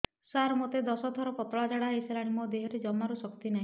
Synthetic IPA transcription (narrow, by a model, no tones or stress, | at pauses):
saɾmot̪ed̪ɔsɔt̪ʰɔɾɔpɔt̪ɔɭad͡ʒaɽaɦijselaɽ̃imod̪eɦɔɾed͡ʒɔmːaɾusɔkt̪inaĩ